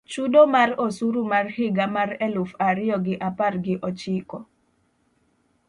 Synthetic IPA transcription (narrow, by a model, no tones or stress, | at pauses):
t͡ʃudomarosuɾumarhɪɡamarɛlʊfaɾɪjɔɡɪʔaparɡɪʔɔt͡ʃɪkɔ